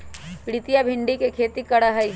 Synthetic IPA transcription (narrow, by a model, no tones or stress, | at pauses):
pɪɽɪt̪ijabʱɪ̃ɳɖikekʰeːt̪ikɐɽaɦɐi